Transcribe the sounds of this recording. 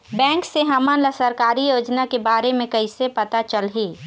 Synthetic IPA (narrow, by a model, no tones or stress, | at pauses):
bɛ̃ːŋkseɦaːmaːnləsɐɾkaːɾijoːd͡ʒnakebaːɾemẽkɐisepɐt̪at͡ʃəlɦiː